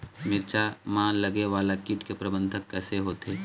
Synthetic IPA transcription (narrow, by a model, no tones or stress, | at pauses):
mɪɾt͡ʃamãːləɡeʋaːlakiʈkepɾəbə̃nd̪ʱəkːɛːseɦoːt̪eː